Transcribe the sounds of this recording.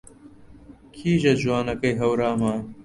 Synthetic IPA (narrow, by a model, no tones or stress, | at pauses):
kʰiːʑɐd͡ʑuwaːnɐkɐjɦɐwɾaːmaː